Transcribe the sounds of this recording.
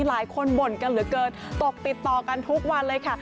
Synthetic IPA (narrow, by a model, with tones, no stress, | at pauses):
laː˨˦jkʰo˧nbo˨˩nka˧nlɯː˩˦kɤː˨˩t̪̚ːo˨˩k̚t̪i˨˩t̪ːɔː˨˩ka˧nt̪ʰu˦˥k̚wa˧nlɤː˧jkʰa˥˩